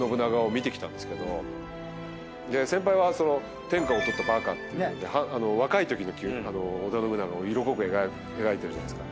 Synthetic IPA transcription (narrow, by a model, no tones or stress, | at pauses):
no̞bɯ̟naɡaomʲit̪e̞kʲi̥t̪ãnd̪esɨ̥ke̞d̪o̞ | d̪e̞sẽ̞mpaiβaso̞no̞ | t̪ẽ̞ŋkao̞t̪o̞t̪ːabaːkat̪ːejɯd̪e̞hãano̞βakait̪o̞kʲino̞kʲːano̞ːd̪anobɯ̟naɡaoiɾo̞ko̞kɯea | e̞ɡait̪e̞ɾɯ̟ʑanaesɨ̥ka